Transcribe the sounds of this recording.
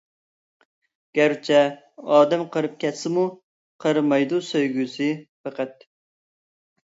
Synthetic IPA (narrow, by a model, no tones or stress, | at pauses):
ɡ̥ʲæɾt͡ʃʰɛ | ɑːd̪ɛmqʰəɾɨp̚kʲʰɛt̪sɪmu | qʰəɾmɑjd̪usøjɡʲysɨpæqɛt̪̚